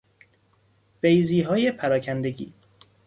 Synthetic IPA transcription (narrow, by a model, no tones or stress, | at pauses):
b̥ejziːɦɒːjepʰæɾɒːcʰænd̪eɟḭː